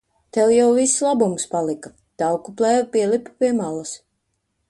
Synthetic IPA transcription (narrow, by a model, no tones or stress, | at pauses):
t̪ɛwjawvislˠabumspalˠika | d̪̥awkuplˠɛːvpiɛlˠippiɛmalˠas